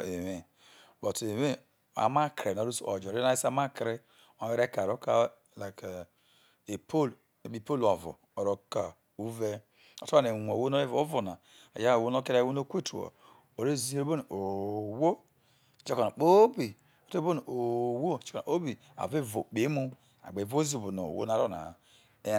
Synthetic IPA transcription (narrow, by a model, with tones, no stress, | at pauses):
e˨we˨ | bo˨te˨we˦ | a̰˨ma˦kɾe˨no˨ɾu˦so̰˨d͡ʒo˨ɾe˦a˦i˦sa˦ma˦kɾe˦ | o˨˦e˦ɾe˦ka˨ɾo˦ka˦ | la˨k | e˨pʰo˦l | e˨bi˦˨po˦lo˨vṵ˨ | o˨ɾo˦ka˨ | u˦ve˦ | o̰˨to˦a˦ne˨wʷo˨wo˦no˦e˦vo˨o˦vu˨na˨ | a̰˨ja˦˨wo˦no˦ke˦ɾa˦˨wo˦no˦kʷe˦tu˨o̰˨ | o˨ɾe˦zi˦e˦ɾe˦bo˦n˨o˨wo˦˨ | t͡ʃe˦ko˨na˨k͡po˦bi˨ | o˨tbo˦n˨o˨wo˦˨t͡ʃe̥˦ka̰˨o˦bi˨ | a̰˨ve˦vo˨k͡pe˨˦mu˦ | a̰˨ɡ͡be˨vo˦zi˦˨bo˨no̰˨wo̰˦na˨ɾo˦na̰˨ | e˦